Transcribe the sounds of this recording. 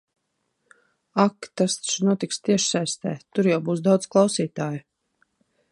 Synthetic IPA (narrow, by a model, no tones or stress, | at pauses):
akt̪ast̪t͡ʃnuɔt̪ikst̪iɛʃsajst̪ɛ̰ːt̪uɾjawbuːsd̪awd̪zklˠɑwsiːt̪aːju